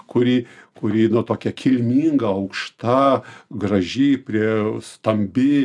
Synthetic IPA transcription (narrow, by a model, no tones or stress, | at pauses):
kʊɾʲiːkʊɾʲiːnʊt̪oːkʲɛkʲʰɪlʲmʲiːŋɡɐɐʊkʃt̪ɐɡrɐʒʲeːpʲɾʲiɛst̪ɐmʲbʲɪ